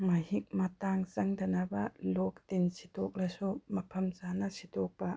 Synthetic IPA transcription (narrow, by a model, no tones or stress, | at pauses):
mɐɦik̚mɐtaŋsɐŋdɐnɐbɐlok̚tinsi̥tɔk̚lɐsumɐpʰɐmzanɐsitɔk̚pɐ